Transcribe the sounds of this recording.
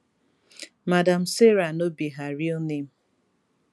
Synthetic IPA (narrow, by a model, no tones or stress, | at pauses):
madam̩seɾanobiɦaɾionem̩